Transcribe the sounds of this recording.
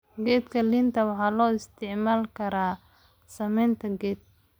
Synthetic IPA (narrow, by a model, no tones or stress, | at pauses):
ɡɛːd̪kʰɐlɪnt̪ʰɐwɑħɑːlɔːɪst̪ʰɪʕmaːlkʰɐɾaː | sɐmɛjnt̪ʰɐɡɛːd̪̚